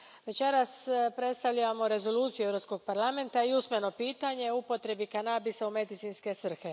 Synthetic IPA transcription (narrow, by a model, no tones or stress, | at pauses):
ʋe̞t͡ɕe̞ɾaspɾe̞t̪st̪aʋʎaʋamo̞ɾe̞zo̞luːt̪sijueʋɾo̞psko̞ɡ̚paɾlˠame̞nt̪aiusmeno̞piːt̪aɲe̞upo̞t̪ɾe̞bikanabisaume̞d̪it̪sinske̞sʋr̩xe̞